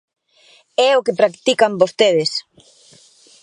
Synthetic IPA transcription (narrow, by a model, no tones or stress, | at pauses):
ɛokepɾakt̪ikambost̪eð̞ɪs